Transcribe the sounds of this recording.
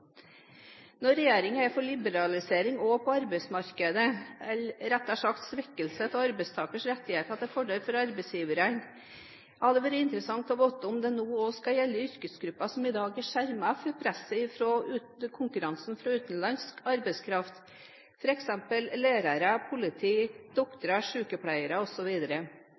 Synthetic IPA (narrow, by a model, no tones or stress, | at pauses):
nɔɾɛjeːɾɪŋəæɪfɔɭɪbəɾɑlɪseːɾɪŋɔpʰɔɑɾbæɪsmɑɾkəd̪əɛlɾɛt̪ːæʂɑkt̪sʋɛkːəlsət̪ɔɑɾbɛɪst̪ʰɑːkəʂɾɛt̪ːɪheːt̪ɑt̪ːɛfɔɖelfɔɾɑɾbɛɪsjiːʋəɾən | hɑd̪ɛʋæɾəɪnt̪əɾəsɑŋt̪ɔʋɔt̪ːəɔmd̪ɛnoːoskɑjɛlːəʏɾkəsɡɾʉpːɑsɔmɪd̪ɑːɡæʂæɾmɑfɔɾpʰɾɛsːəɪfɾɔʉː | kʰʊŋkʉɾɑnsn̩fɾɑʉːt̪n̩lɑnskɑɾbɛɪskʰɾɑft̪ | fɔɾɛksɛmpəlleːɾɑɾəpʰʊlɪt̪ʰiːd̪̥ɔkt̪əɾɑʂʉːkəpʰɽæɪəɾəɔsɔʋiːd̪əɾə